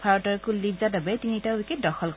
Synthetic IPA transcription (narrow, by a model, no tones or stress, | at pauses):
pʰaɹɔtɔɹkulːibzadabɛtinitaikidɔxɔlk